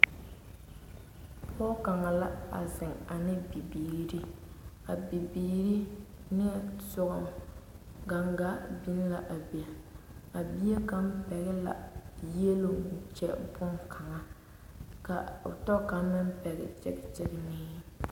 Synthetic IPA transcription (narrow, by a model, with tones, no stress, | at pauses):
pɔː˦ka˨ŋa˨la˦a̰˨zɪ˨ŋa˨nɪ˦bi˨biː˨ɾi˦ | a˨bi˨biː˨ɾi˦nɪ˦sʊ˦ɣʊ˨m | ɡa˨ŋɡa˦bɪ˦n˦la˨ʔa˨bi˨a˨a˨bi˦e˦ka˦m˦pɛ˨ɣɛ˦la̰˨jɛ˦lo˨t͡ʃɛ˨bʊ˦ŋkʰa˨ŋa˦ | ka̰˨tɔ˦ka˨˦mɪ˦m˦pɛ˨ɣɛ̰˨t͡ʃɛ˦ɡɪ˦t͡ʃɪ˦ɾɪ˦nɪː˦